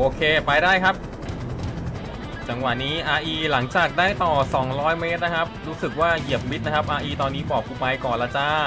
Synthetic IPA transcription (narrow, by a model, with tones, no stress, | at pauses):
ʔoː˧kʰeː˧pa˧jdaː˥˩jkʰa˦˥p̚ | t͡ɕa˧ŋwa˨˩ʔniː˦˥ʔaː˧ʔiː˧la˩˦ŋt͡ɕaː˨˩k̚daː˥˩jt̪ɔː˨˩sɔː˩˦ŋɾɔː˦˥jme˦˥t̪̚na˦˥kʰa˦˥p̚ɾuː˦˥sɯ˨˩k̚waː˥˩ji˨˩əp̚mi˦˥t̪̚na˦˥kʰa˦˥p̚ʔaː˧ʔiː˧t̪ɔː˧nːiː˦˥pɔː˨˩p̚kʰːuː˧˩pa˧jkɔː˨˩nla˦˥t͡ɕaː˥˩